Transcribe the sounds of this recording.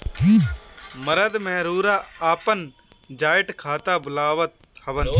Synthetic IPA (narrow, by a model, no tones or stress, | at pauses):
məɾəd̪mɛ̃ːɾuːɾaːaːpən | d͡ʒaːjɪʈkʰaːt̪aːbʊlaːʋət̪̚həʋən